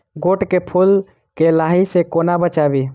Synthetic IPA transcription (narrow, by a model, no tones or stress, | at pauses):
ɡoʈkepʰul | kelaɦisekonabət͡ʃabi